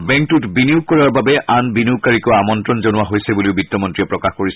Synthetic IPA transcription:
bɛ̃ŋktutbinijuɡ̚kɔɹaɹbabɛʔanbiniuɡ̚kaɹikɔamɔntɹɔnzonʊwaɦojsɛbuliʊbitːɔmɔntɹiɛpɹɔkaxkoɹisɛ

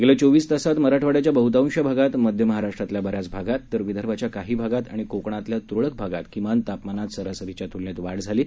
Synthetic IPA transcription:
ɡelet͡soʋiːsd̪əsat̪məɾaʈʰʋaɽjat͡ɕjabəɦut̪aʋũnɕjabʱaɡat̪məd̪ʱjəməɦaɾaʂʈɾat̪ljabəɾjat͡sbʱaɡat̪ːəɾʋid̪ʱəɾbʱat͡ɕjakaɦiːbʱaɡat̪a̰ɽ̃ikokɳat̪ljat̪ɾoɭək̚bʱaɡat̪kimant̪apmanat̪səɾasəɾit͡ɕjat̪ulnet̪ʋaɽd͡zʱaliː

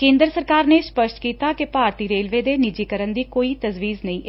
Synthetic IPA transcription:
kẽːnd̪əɾsəɾkaːɾneːspəʃʈkiːt̪aːkepaːɾt̪iːɾeːlʋeːd̪eːnɪd͡ʒiːkəɾənd̪iːkoːiːt̪əzʋiːznəĩːʔ

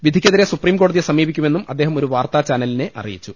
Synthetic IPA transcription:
ʋid̪ʱikʲːɐðiɾesupriːmko̞ːɽɐðiesɐmiːbikʲːume̞nːumɐd̪ːe̞ːɦɐmo̞ɾuʋaːrt̪at͡ɕaːnɐline̞ʔɐ̰rḭjit͡ɕːu

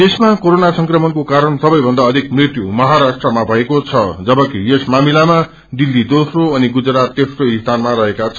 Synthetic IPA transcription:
t̪esmakoɾonasʌ̃ŋkrʌmʌnkokaɾʌnsʌbʌjbʱʌnd̪aʌd̪ʱikmrit̪jumʌɦaɾasʈrʌmabʱʌekot͡sʰʌd͡zʌbʌkijesmamilama | d̪ilːid̪osroʌniɡud͡zɾat̪ːesroist̪ʰanmaɾʌɦekat͡sʰʌ

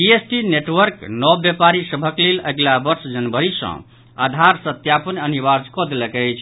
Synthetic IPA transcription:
iesʈineʈwəɾknɔbjepaɾisəbʱəkleləɡlabəɾsd͡ʒənbəɾisə̰̃ | a̰d̪ʱaɾsət̪japənəniβad͡ʒkɔd̪eləkɛjt͡ʃʰ

